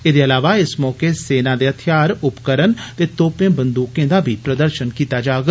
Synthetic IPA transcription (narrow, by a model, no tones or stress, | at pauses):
ɪd̪eəlaːʋaɪsmɔːkeseːnaːd̪eːɦət̪ʰɪjaːɾʊpkəɾənt̪eːt̪oːpẽːbənd̪uːkẽːd̪aːbʱipɾəd̪əɾʃənkiːt̪ad͡ʒaːɡ